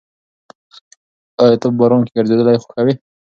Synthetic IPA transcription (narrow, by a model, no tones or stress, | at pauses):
əjt̪əpbaɾonkeɡəɾzed̪əlajxo̥xawi